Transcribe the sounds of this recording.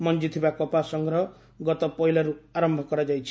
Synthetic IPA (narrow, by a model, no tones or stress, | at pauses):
mɔnd͡ʒit̪ʰibakɔpasɔŋɡɾɔ | ɡɔt̪ɔpɔɦilaɾuaɾɔmbʱɔkɔɾad͡ʒajt͡ʃʰi̥